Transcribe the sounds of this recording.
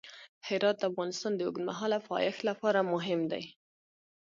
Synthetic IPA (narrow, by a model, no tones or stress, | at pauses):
hɪɾɑt̪̚d̪əafɣɑnɪst̪ɑnd̪əʊɡnma̰ɦɑlafɑ̰jaxlapɑɾamʊɦɪmd̪a̰j